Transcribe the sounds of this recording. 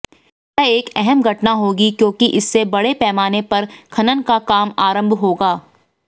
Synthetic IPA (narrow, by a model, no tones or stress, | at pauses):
jɛeːkɛɦɛmɡʱɐʈnaɦoːɡikjõːkiʔɪsːebɐɽepɛːmaːnepɐɾkʰɐnənkakaːmaːɾə̃mbʱɦoːɡaː